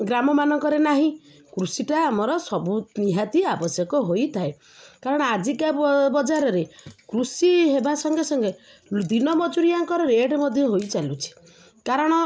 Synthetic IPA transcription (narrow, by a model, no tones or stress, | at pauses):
ɡɾamɔmanɔŋkɔɾenaɦĩ | kɾusiʈaːmɔɾɔsɔbuniɦat̪iabɔsjɔkɔɦojt̪ʰae | kaɾɔɽ̃ɔad͡ʒikabɔd͡ʒaɾɔɾekɾusiɦebasɔŋɡesɔŋɡe | d̪inɔmɔd͡ʒuɾiaŋkɔɾɔɾeeɖmɔd̪ʱjɔɦojt͡ʃalut͡ʃʰi̥ | kaɾɔɽ̃ɔ